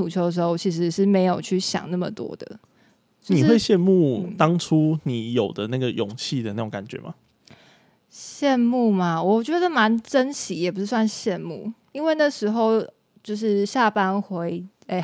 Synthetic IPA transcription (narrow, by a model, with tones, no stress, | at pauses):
u˨˩t͡ɕʰjo˧˥ʊd̪ə˩ʂ̬ɻ̩˧xo˥˧ʊt͡ɕʰi˧˥ʂ̬ɻ̩˧˥ʂɻ̩˥˩me˧˥ɪjo˨˩ʊt͡ɕʰy˥˩ɕjɑ̰˨˩ŋna˥˩mə̰˨t̪wɔ̰˦˥d̪ə̰˨ | t͡ɕjn˧i˨˥we˥˧ɪɕjɛ˥˧nmu˥˨t̪ɑ˥ŋʈ͡ʂʰu˦ni˨˦jo˨˩ʊd̪ə˦na˥˩ɡə˩jo˨˩ŋt͡ɕʰi˥˨d̪ə˨˩na˥˩o˧˦ŋka˨˩nt͡ɕɥɛ̰˨˦˥ma̰˨˩ | ɕjɛ˥˧nmu˥˧ma˨wɔ˨˩t͡ɕɥɛ˧˥d̪ə˧˩ə˥˩ma˧˦˥nʈ͡ʂə˦nɕi˨˥jɛ˨˩p̬u˧˥ʂɻ̩˥˩s̬wa˥˧nɕjɛ˥˧nmu˥˩ | i˥nwe˥˧ɪna˥˩ʂɻ̩˧˥xo˥˧ʊ | t͡ɕjo˥˧ʊʂ̬ɻ̩˥˩ɕja˥˩pa˦nxwe˧˥ɪ | e˥˩ɪ